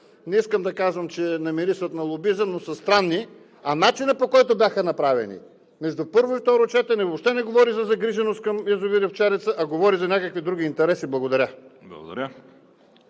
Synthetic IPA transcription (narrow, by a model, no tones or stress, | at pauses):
nɛiskəmd̪ɐkazvəmt͡ʃɛnɐmiɾisvət̪nɐlˠobizənosɐst̪ɾanːi | ɐnat͡ʃinəpokɔjt̪ʊbʲjaxənɐpɾavɛ̰nḭ | mɛʒd̪upɤɾvʊift̪ɔɾot͡ʃɛt̪ɛnɛvopʃt̪ɛnɛɡovɔɾizɐzɐɡɾiʒɛnost̪kɐmɛzʊviɾəft͡ʃaɾit̪səʔɐɡovɔɾizɐnʲakəkvid̪ɾuɡ̟ʲiːnt̪ɛɾɛsiblˠɐɡod̪ɐɾʲablˠɐ̰ɡo̰d̪ɐ̰ɾʲə